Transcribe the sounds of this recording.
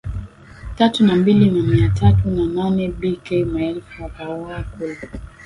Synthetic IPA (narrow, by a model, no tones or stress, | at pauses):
tatunambilinamiatʰatunananɛbikɛmaɛlfuakaɔakula